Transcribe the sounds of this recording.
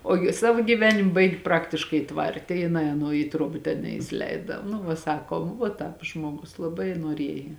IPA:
ˈoːɡʲɪ ˈsɑːʋoː ɡʲiːˈʋʲæːnʲɪm ˈbɐɪɡʲɪ ˈprɑːktʲɪʃkɐɪ ˈtʋɐrʲtʲɛ jɪˈnɐɪ ɐˈnuɔ iː ˈtruɔbɐ tʲɛn nʲɛɪsʲɪˈlʲɛɪdɐ nʊ ˈʋɐ ˈsɑːkoːm ʋuɔ ˈtɑːp ˈʒmuɔɡʊs lˠɐˈbɐɪ nuɔˈrʲiɛjɛ

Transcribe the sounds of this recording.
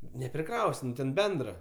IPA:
nʲɛpʲrʲɪˈkrɐʊsʲ ˈnʊ tʲɛn ˈbʲɛndrɐ

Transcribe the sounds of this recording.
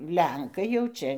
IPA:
ˈlʲɛŋkɐɪ jɛʊ ˈt͡ʃʲɛ

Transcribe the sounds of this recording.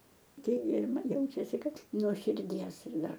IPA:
ˈkʲiɛk ɡʲɪ ɪr ˈmɐn ˈjɛʊt͡ʃʲɛsʲɪ ˈkɐt nuɔ ʃʲɪrʲˈdʲiɛs ɪr ˈdɐr

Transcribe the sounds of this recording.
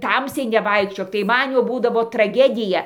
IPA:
ˈtɐmʲsʲɛɪ nʲɛˈʋɐɪkʃʲt͡ʃʲoːk tɐɪ ˈmɐn jɛʊ ˈbuːdɐʋoː trɐˈɡʲæːdʲɪjɛ

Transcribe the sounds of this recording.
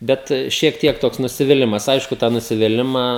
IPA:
ˈbʲɛt ʃʲiɛk ˈtʲiɛk ˈtoːks nʊsʲɪʋʲɪˈlʲɪmɐs ˈɐɪʃkʊ tɑː nʊsʲɪʋʲɪˈlʲɪmɑː

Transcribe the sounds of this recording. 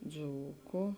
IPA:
ˈd͡zuːkʊ

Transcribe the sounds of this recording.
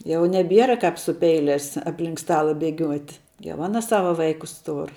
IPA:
jɛʊ nʲɛˈbʲiɛrɐ ˈkɑːp sʊ ˈpʲɛɪlʲɛs ɐpʲˈlʲɪŋk ˈstɑːlˠɐ bʲɛˈɡʲuɔtʲ jɛʊ ˈɑːnɐ ˈsɑːʋɐ ˈʋɐɪkʊs ˈtʊr

